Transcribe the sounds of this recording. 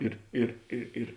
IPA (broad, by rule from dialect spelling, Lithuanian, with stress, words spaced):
ˈɪr ɪr ɪ ɪr